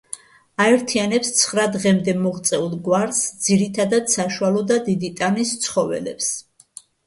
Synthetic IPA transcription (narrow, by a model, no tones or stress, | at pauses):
aɛɾt̪ʰianɛpst̪sʰχɾad̪ʁɛmd̪ɛmɔʁt̪sʼɛulˠɡwaɾsd̪z̥iɾit̪ʰad̪ad̪saʃualˠɔd̪ad̪id̪it̪ʼanist̪sʰχɔvɛ̰lɛ̰ps